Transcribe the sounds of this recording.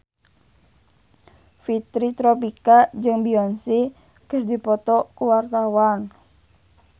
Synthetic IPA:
fit̪ɾit̪ɾɔpikad͡ʒɨŋbiɔnsi | kərdipɔt̪ɔkuwart̪awan

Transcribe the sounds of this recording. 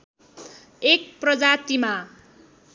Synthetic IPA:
ek̚prʌd͡zat̪ima

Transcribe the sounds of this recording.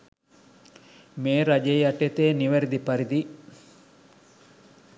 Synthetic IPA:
meːɾad͡ʒejɐʈet̪eːniʋɐɾid̪ipɐɾid̪i

